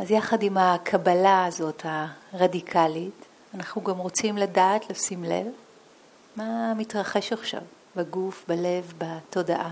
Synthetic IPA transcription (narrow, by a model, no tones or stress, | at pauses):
azjaχadimhakʰabalaːzo̞taʁadikʰalit | anaχnuɡamʁo̞t͡simladaːtleosimle̞̰v | mamitʁaχe̞ʃaχʃa̰v | baɡufbale̞vbato̞daʔa